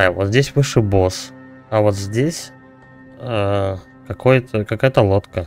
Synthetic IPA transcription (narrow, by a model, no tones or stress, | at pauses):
ajvot̪zʲdʲesʲvɨʂɨbo̞s | ɐvo̞t̪zʲdʲesʲ | ə | kɐkʰojət̪əkɐkajət̪əlˠo̞t̪kə